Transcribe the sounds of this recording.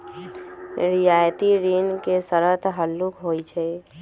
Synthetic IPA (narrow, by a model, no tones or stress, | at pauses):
ɾɪjaːjt̪iɾiːnkesəɾət̪ɦəlːukɦoːit͡ʃʰɛ